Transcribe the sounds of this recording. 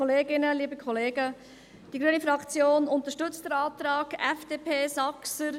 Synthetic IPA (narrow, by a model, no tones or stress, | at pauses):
ɔleːɡɪnəliːbəkʰɔleːɡə | d̥iɡɾyənifɾɑkt͡sjoːnʊnt̪əʃtʏt͡std̥əɾɑːt̪ɾɑːɡɛfd̥eːpʰeːsɑksəɾ